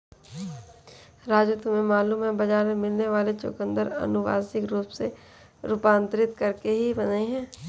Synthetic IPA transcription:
ɾaːd͡ʒut̪umẽmaːluːmɦɛ̃bɐd͡ʒaːɾmẽmɪlneʋaːlet͡ʃʊ̰kə̃nd̪əɾɐ̰nʊʋa̰ːsɪkɾuːpse | ɾʊpãːnt̪ɾɪt̪kɐɾkeɦibɐneɦɛ̃ː

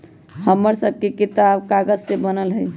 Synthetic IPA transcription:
həmːəɾsəb̚ʱkekit̪abkaɡəd͡ʒsebənəlɦəj

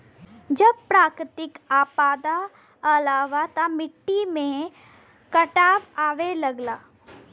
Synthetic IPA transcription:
d͡ʒɐb̚pɾaːkɾɪt̪ɪkaːpaːd̪a | ɐlaːʋat̪amɪʈːimẽ | kɐʈaːʋaːʋelɐɡlaː

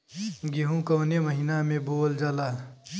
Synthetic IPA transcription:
ɡiɦũkəːneməɦinamẽboːld͡ʒaːla

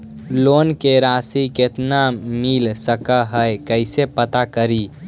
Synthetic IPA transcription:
lonkeɾasiket̪namilsəkəɦəjkəɪsepət̪akəɾi

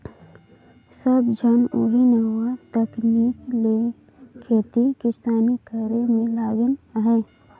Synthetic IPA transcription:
səbd͡ʒʱɐno̰ɦinəɦuwat̪ɐkniːkle | kʰeːt̪ikɪst̪aːnikəɾemẽlaːɡɪnɦɛː

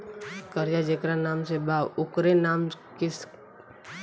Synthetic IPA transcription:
kəɾd͡ʒad͡ʒekɾanaːmsebaːwʊkɾenaːmkɪs

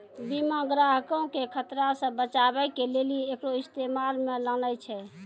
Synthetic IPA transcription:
bimãɡɾaɦkəũkekʰət̪ɾasə̃bət͡ʃabɛkeleliekɾoist̪emalmelələjt͡ʃʰɛ

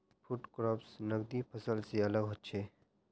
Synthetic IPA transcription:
fʰuʈkɾɔːpsnəɡd̪ipʰəsəlseɐləɡɦot̪t͡ʃʰeː

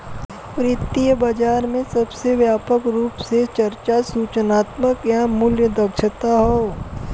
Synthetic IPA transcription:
pɾɪt̪ːijəbɐd͡ʒaːɾmẽsɐbseʋjaːpəkɾuːpset͡ʃɐɾt͡ʃasuːt͡ʃənaːt̪məkjamʊljəd̪ɐkʃət̪aɦoː

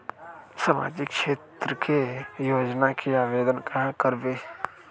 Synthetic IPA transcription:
saːma̰ːd͡ʒɪkʃeːt̪ɾəkʰejoːd͡ʒnakʰiaːʋeːd̪ənkakəɾbeː

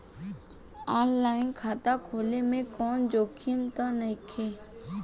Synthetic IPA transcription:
aːnlaːɪnkʰaːt̪akʰoːlemẽkɔːnd͡ʒoːkʰiənt̪anəikʰeː

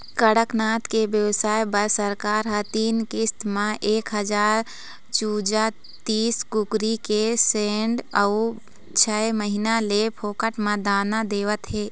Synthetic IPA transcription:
kəɽəknaːt̪kebjəʋsaːjbəsəɾkaːɾɦət̪iːnkɪst̪mãʔeːkɦəd͡ʒaːɾ | t͡ʃuːd͡ʒa | t̪iːskʊkɾikeseːɳɖəu | t͡ʃʰɛməɦinalepʰoːkəʈmãd̪aːnad̪eːʋət̪ɦeː

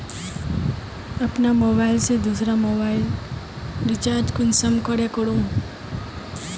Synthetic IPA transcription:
əpnamobailsed̪usɾamobail | ɾit͡ʃaːɾd͡ʒkʊnsəmkəɽekɔɽũ

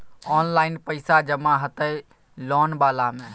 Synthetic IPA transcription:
ɔːnlaːɪnpəɪsad͡ʒəmaɦət̪əe | lɔːnbaːlamẽ

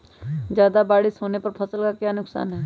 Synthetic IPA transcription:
d͡ʒjaːd̪abaːɽisoːnepɐɾpʰɐsəlkakjaːnʊksa̰ːnɦɛː

